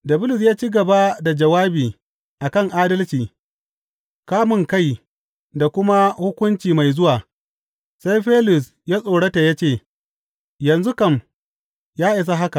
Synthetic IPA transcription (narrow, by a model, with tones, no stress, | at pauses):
dɐ˨bʊ˦lʊ˨s̬jaː˦t͡ʃiː˦ɡɐ˨ba˦da˨d͡ʒɐ˨waː˦biː˨ | ʔa˨kɐ˦ŋʔaː˦dɐ˦lt͡ʃiː˨ | kaː˦mʊ˨ŋka˦˨j | da˨kʷʊ˦ma˦hʊ˦kʷʊ˦nt͡ʃiː˨ma˨jzʊ˦waː˨ | sa˦jɸeː˦lʊ˨s̬ | jaː˦sʼoː˨ɽɐ˦ta˨ja˦t͡ʃeː˦˨ | jɐ˨nzu˦kɐ˦˨m | jaː˦ʔɪ˨s̬a˦ɦa˦ka˨ʔ